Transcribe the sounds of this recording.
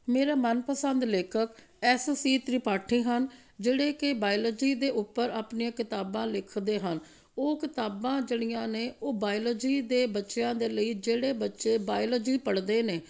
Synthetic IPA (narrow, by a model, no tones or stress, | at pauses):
meːɾaːmənpəsənd̪leːkʰək | ɛːssiːt̪ɾɪpaːʈʰĩːɦənd͡ʒeːɽeːkɪbaːɪləd͡ʒiːd̪eːʔʊpːəɾaːpniãːkɪt̪aːbãːlɪkʰd̪eːɦən | oːkɪt̪aːbãːd͡ʒeɽ̃ɪjãːneːʔoːbaːɪləd͡ʒiːd̪eːbətːʃjãːd̪eːləiːd͡ʒeːɽeːbətːʃeːbaːɪləd͡ʒiːpəɽd̪eːneː